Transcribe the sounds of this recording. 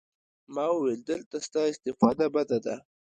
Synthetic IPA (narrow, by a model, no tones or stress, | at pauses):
mɑwəweld̪əlt̪ast̪ɑɪst̪ɪfɑd̪abad̪ad̪a